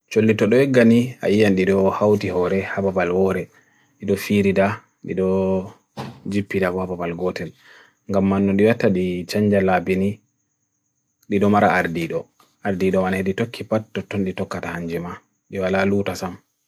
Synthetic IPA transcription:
t͡ʃolːitɔɗɔɛɡania̰ijanɗiɗɔhawtihɔɾɛhababalhɔɾɛ | ɗiɗɔfiɾida | ɗḭɗɔ | d͡ʒipːidabɔhababalɡɔtɛl | ŋɡamːanːɔɗiwatːaɗit͡ʃaɲd͡ʒalabini | ɗiɗɔmaɾaaɾdiɗɔ | ʔaɾdiɗɔmanheditokʰːipatːɔtːɔnɗitɔkːatahaɲd͡ʒɛma | ɗiwalaluːtasam

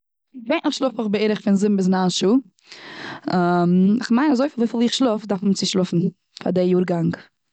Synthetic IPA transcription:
ɪveɪnɪχʃlˠʊfʊχbɪeːɾəχfɪnzɪmbɪsnaːnʃuː | amɪχmaɪnazoɪfɪlˠofɪlˠiːχʃlˠʊfdaɾfmt͡sɪʃlˠʊfn̩ | fa̰dɪjuːɾɡaŋk

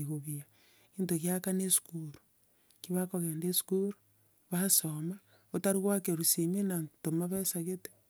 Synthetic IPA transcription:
iɣuβia | kintoɣjakanesu̥kuɾu̥ | kiβakoɣeːndesu̥kuɾo̥ | βasoma | otaɾiɣwakeɾusimenantomaβesaɣete̥

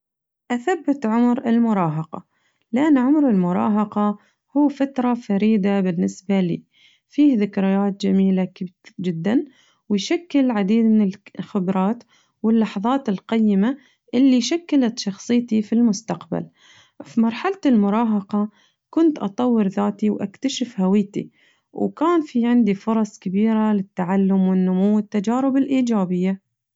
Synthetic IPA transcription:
ʔaθabːɪt̪ʕʊmɾɪlmʊɾˤɑːɦɑqɑ̰ | lɪʔanːʕʊmɾɪlmʊɾˤɑ̰ːɦɑqɑ | huːfat̪ɾˤɑfaɾiːd̪abɪnːɪsbalḭː | fiːhðɪkɾɪjaːt̪̚d͡ʒamiːlad͡ʒɪd̪ːan | wɪjʃakːɪlʕad̪iːd̪mɪnɪlxɪbɾˤɑːt̪ | wɪlːɑħðˤɑːt̪ɪlqɑjːɪma | ʔɪlːiʃakːɪlat̪ʃɑxsˤɨjt̪ifilmʊst̪aqba̰l | fimɑɾˤħalat̪ɪlmʊɾˤɑːɦɑqɑ | kʊnt̪ʔɑ̰t̪ˤɑwːɪɾðaːt̪iwʔa̰kt̪aʃɪfhawiːt̪ḭ | wkaːnfiʕɪnd̪ifʊɾˤɑsˤkabiːɾalɪt̪ːaʕalːʊmwɪnːʊmuwːɪt̪ːad͡ʒaːɾɪbɪlʔiːd͡ʒaːbɪjːa

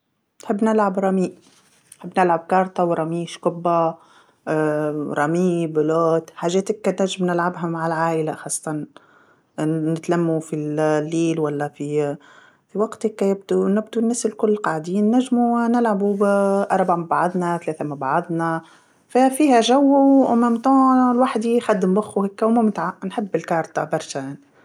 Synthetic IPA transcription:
nħɪbːnɪlʕabɾˤɑmiːʔ | nħɪbːnɪlʕab̚kɑɾˤt̪ˤɑwɾˤɑmiːʃkʊbːa | ɾˤɑmiːbloːt̪ħaːʒɛːt̪ɪkːænæʒɪmnɪlʕabɦæmaʕalʕaːʔɪlaxɑːsˤːɑt̪ˤɑn | nɪt̪lamːufillːiːlwalːæfi | fiwɑɡt̪hekːæjɪb̚d̪unɪbd̪unːæːsɪlkʊlːqɑʕd̪iːnːæʒːmunɪlʕabuʔɑɾˤbaʕamɪbʕɑd̪ˤnæθalɛːθæmɪbʕɑðˤna | fæfiːhæʒæwːuʔʊmæmt̪oːlwaħd̪ixæd̪ːɪmbʊxuhekːæmumɪt̪ʕanħɪbːɪlkɑːɾˤt̪ˤɑbɑɾˤʃæjaʕni

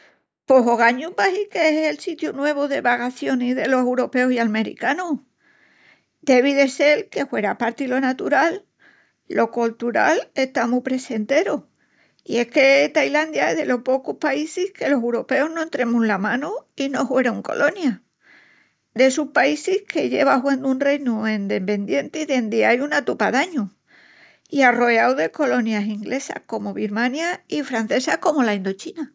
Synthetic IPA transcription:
po̞ɦo̞ɣaɲubahikeeselsit̪junwe̞β̞oðe̞βaɣaθjo̞niðe̞lo̞sewɾo̞pe̞osialme̞ɾḭkano | d̪e̞β̞iðe̞se̞lke̞hwe̞ɾapaɾt̪ilo̞nat̪uɾalː | o̞kolt̪uɾa̰le̞ht̪amupɾe̞se̞nt̪e̞ɾo | ie̞hke̞t̪ajland̪jaejðe̞lo̞hpo̞kuhpaisihke̞lo̞sewɾo̞pe̞oɦnoent̪ɾe̞mulamãnuino̞ɦwe̞ɾoŋko̞̰lʔo̞nja | d̪e̞suhpaisihkʰe̞ʝe̞β̞aɦwend̪unre̞jnuend̪e̞pe̞nd̪je̞nt̪eiðe̞nd̪iajunat̪upaðaɲu | iaro̞eawðe̞ko̞lo̞njasiŋɡlʔe̞sa̰hko̞mo̞βiɾmãnjaifɾan̟θe̞sahko̞mo̞laind̪o̞t͡ʃina

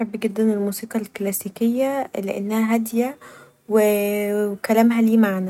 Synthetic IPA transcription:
ħɑbːɡed̪ːænelmuːsiːqɑlklæsiːkejːæleʔḛnːæhæɦæd̪jæ | we | kælæmɦæliːmaʕnæ

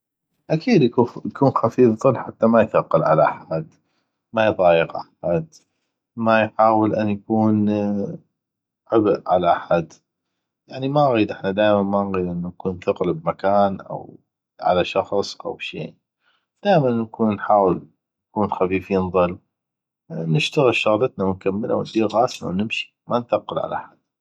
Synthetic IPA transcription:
ʔakʰiːd̪jaujakuːnxafiːfðˤɨlːħat̪ːamajθɑqːɑlʕala̰ʔaħad̪ | majðˤɑːjɪqʔaħad̪ | majħaːwəlʔanːjakuːn | ʕɪbʔʕalaʔaħad̪ | jaʕnimanɣiːd̪ʔɪħnad̪aːjmanmanɣiːd̪ʔɪnːunkuːnθɪqlbmakaːnʔa̰w | ʕa̰laʃɑxsˤʔa̰wʃḭː | d̪̥aːʔmanːkʰuːnːħaːwəl | jnkuːnxafiːfiːnðˤɨlː | nɪʃt̪aɣɪlʃɑɣlɑt̪nawnkamːɪlʔa̰wnd̪iːɾɣaːsna̰wnɪmʃi̥manθaqːəlʕa̰laʔa̰ħad̪̥̚

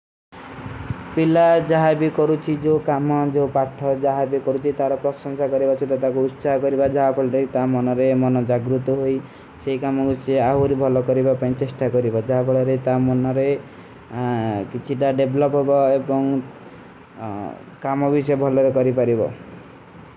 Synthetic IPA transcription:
pilad͡ʒaɦabikɔɾut͡ʃʰid͡ʒokamɔd͡ʒopaʈʰɔd͡ʒaɦabikɔɾut͡ʃʰit̪aɾɔpɾɔsɔŋsakɔɾibɔt͡ʃʰit̪ɔt̪ak̬uːt̪ːsaɦɔkɔɾibad͡ʒaɦapɔɭɔɾet̪amɔnɔɾemɔnɔd͡ʒaɡɾut̪ɔɦoj | seikamɔkuseaɦuɾibʱɔlɔkɔɾibapaĩt͡ʃesʈakɔɾibɔd͡ʒaɦapɔɭɔɾet̪amɔnɔɾe | kit͡ʃʰiʈaɖebʱlɔpɦɔbɔebɔŋ | kamɔbisɔebʱɔlɔɾekɔɾipaɾibɔ

